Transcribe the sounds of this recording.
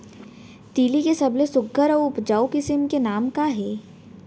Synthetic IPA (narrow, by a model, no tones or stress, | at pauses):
t̪iːlikesɐblesʊɡəɾɔːʊpd͡ʒaːokɪsɪmkenaːmkaɦɛː